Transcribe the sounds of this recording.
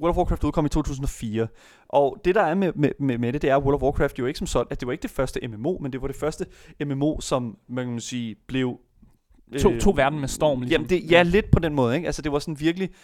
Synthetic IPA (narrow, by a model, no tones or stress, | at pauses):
wølfwɔːkʰʁɑfd̥uðˠkʰɒ̽mit͡sʰo̰ːt͡sʰṵːsn̩ɒ̽fiːɐ | ʔɒ̽d̥e̝ɾ̥ɑ̈æɐmemememeɾed̥e̝æɐwolfwɒːkʰʁɑːfd̥joe̝ɡ̥sɒ̽msɒ̽n̥æd̥e̝ʋɑ̈e̝ɡ̥əd̥e̝fɶɐsd̥əʔememo̝̰ːmend̥e̝ʋɑ̈ɾ̥e̝fɶɐsd̥əememo̝̰ːsɒ̽mmænkʰæmænsiːb̥le̝ʊ | t͡sʰo̝̰ːʋæɐd̥n̩mesd̥ɒ̰ːmlijæmd̥e̝jæle̝d̥pʰɒ̽d̥enmɔ̽ːð̩ˠeɡ̥ælsəd̥e̝ʋɑ̈sɒ̽nʋiɐɡ̥əli